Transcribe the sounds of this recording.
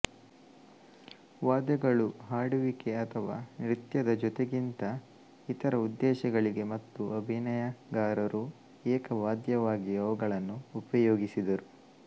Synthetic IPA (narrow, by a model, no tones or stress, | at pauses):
ʋaːd̪ɛɡɐɭuɦaːɽuʋikeɐt̪ʰɐʋa̰ːnɾit̪jɐd̪ɐd͡ʒɔt̪e̞ɡint̪ɐ | it̪ɐɾɐud̪ːɛːʃɐɡɐɭiɡe̞mɐt̪ːuʔɐbʱinɐjɐɡaːɾɐɾʔu | ɛːkɐʋaːd̪jɐʋaːɡiɐʋɐɡɐɭɐnːuːpɐjoːɡisid̪ɐɾu